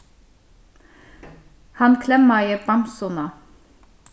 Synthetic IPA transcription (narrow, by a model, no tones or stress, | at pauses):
hɑnkʰlɛmːɑjəbɑmsʊnɑ